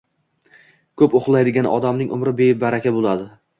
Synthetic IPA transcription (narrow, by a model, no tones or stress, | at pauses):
kʰɵpoχlˠajd̪ɪɡʲanɒ̰d̪amnɪŋʔʊ̰mɾɪbebaɾakʲabolˠad̪ɪ